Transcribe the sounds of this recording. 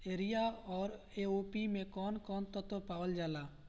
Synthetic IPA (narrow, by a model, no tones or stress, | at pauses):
eːɾijaɔːɾ | eoːpimẽkɔːnkɔːnt̪ɔt̪opaːwəld͡ʒaːlaː